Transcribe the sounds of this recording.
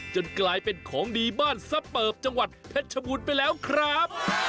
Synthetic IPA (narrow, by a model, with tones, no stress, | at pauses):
t͡ɕo˧nklaː˧jpe˧nkʰɔː˩˦ŋdiː˧baː˥˩nsa˧˥pɤː˨˩p̚t͡ɕa˧ŋwa˨˩t̪̚pʰe˦˥t̪̚t͡ɕʰa˧buː˧npa˧jlɛː˦˥wkʰɾa˦˥p̚